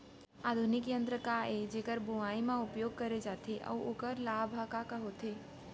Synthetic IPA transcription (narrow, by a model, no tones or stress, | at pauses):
aːd̪ʱunɪkjə̃nt̪ɾəkaed͡ʒeːkəɾbuʋaːimãʊpjoːɡ̚kɐɾed͡ʒaːt̪ʰeʔɔ̰oːkəɾlaːbʱakakɐɦot̪ʰeː